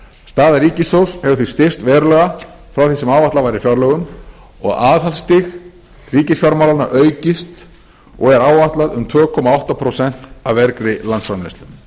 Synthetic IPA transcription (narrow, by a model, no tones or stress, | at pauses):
st̪aːðaɾiːcɪsowshɛvʏɾθist̪ɪr̥t̪vɛːɾʏlœɣa | fɾawθɛsɪmaːwvaht̪avajɾɪfjaɾlœɣʏm | ɔ̰ɣaːðɦalst̪ɪx | riːcɪsfjaɾmawlana̰ʔœːɥcɪst̪ | ɔɣɛɾaːwvaht̪laðʏmt̪ʰvœːkʰɔːmaawht̪apʰɾowsɛn̥t̪avvɛɾkɾɪlant̪sfɾamlɪst̪ʏm